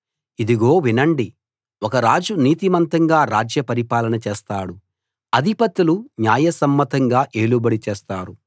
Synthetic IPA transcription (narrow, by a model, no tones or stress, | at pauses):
id̪iɡo̞ːʋinɐɳɖi | wɔkɐɾaːd͡ʒuniːt̪imɐnt̪ɐŋɡaːɾaːd͡ʒjɐpɐɾipaːlɐnɐt͡ʃeːst̪aːɽu | ɐd̪ʱipɐt̪ːuluɲjaːjɐsɐmːɐt̪ɐŋɡaːʔe̞ːlubɐɽit͡ʃɛːst̪aːɾu